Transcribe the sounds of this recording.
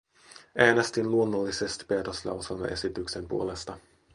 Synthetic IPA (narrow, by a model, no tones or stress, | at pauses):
ʔæːnest̪inluo̞nːolːise̞st̪i̥peːt̪oslɑ̰wselmɑ̰ʔe̞sit̪ykse̞mpṵo̞le̞st̪ɑ